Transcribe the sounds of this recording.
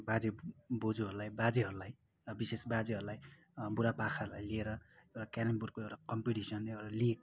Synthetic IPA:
bad͡zebod͡zuɦʌɾulajbad͡ziɦʌɾulaj | ʌbisesbad͡zeɦʌɾulaj | buɾapakʰaɾulajlieɾʌewakanʌmburkoewʈakʌmpiʈisʌneeʈaliek

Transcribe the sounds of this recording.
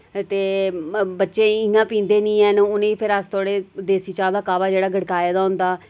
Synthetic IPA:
t̪eːbətːʃẽːɪ̃ŋɡãːpĩːnd̪eːnĩːɛːnʊnẽːiːpʰɪɾəst̪oːɽeːd̪eːsiːt͡ʃaːld̪aːkaːʋaːd͡ʒeːɽaːɡʱəɽkaːjd̪aːɦʊ̃nd̪aː

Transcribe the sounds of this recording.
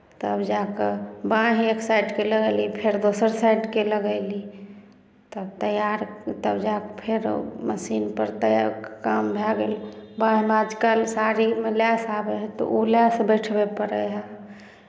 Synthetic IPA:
t̪əəbd͡ʒakəbãɦeksaɪɖkeləɡəlipʰeɾd̪osəɾsaɪɖkeləɡəli | t̪əbt̪əjaɾt̪əbd͡ʒakpʰeɾməsinpəɾt̪əja̰ɾkkambʱɛɡelbãɦmead͡ʒkalsaɾimelasabeɦɛt̪ɔ̰ʔulasbəʈʰbepəɾəɦɛ

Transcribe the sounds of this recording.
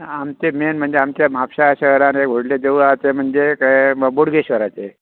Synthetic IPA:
amt͡ɕemenm̤əɳd͡zeamt͡ɕamapɕaɕəɦɾaneɡʱoɽled͡ʑeuat͡sem̤əɳd͡zekboɽɡeɕʋəɾat͡se

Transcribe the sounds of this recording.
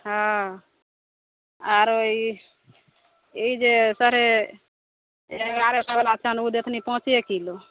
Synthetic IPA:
ɦã | aɾoi | eid͡ʒesəɾe | ɡaɾesabalat͡ʃʰanud̪et̪ʰnipɔɦʊ̃t͡ʃekilo

